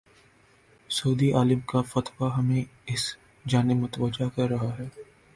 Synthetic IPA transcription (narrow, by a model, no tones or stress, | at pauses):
sɐːd̪iʔaːlɪmkafɐt̪waɦɐmẽɪs | d͡ʒaːnɪmʊt̪ʋɐd͡ʒakɐɾːɐɦaɦɛː